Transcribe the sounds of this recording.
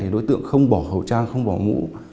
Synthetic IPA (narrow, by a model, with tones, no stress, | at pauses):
e˨˩ɗo̰˨˦jt̪ɨ̰˧˨əŋxə˧wŋ͡mɓɔ˧˩hə˨˩wt͡ɕaː˧ŋxə˧wŋ͡mɓɔ˧˨˩mṵ˧˥